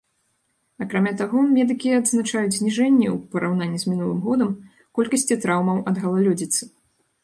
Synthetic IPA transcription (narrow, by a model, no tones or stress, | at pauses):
ɐkɾamʲat̪aɣɔmʲɛd̪ɨkʲiɐd̪znat͡ʂajud͡zʲzʲnʲiʐɛnʲːɛwpɐɾawnanʲːizʲmʲinulˠɨmɣɔd̪ɐm | kɔlʲkɐsʲt͡sʲit̪ɾawmɐwʔɐd̪ɣɐlˠalʲɔd͡zʲit̪sɨ